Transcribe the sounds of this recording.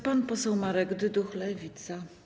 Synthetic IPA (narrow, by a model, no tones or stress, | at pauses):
panpɔsɛwmaɾɛɡd̪ɘd̪uxlɛvʲit̪sa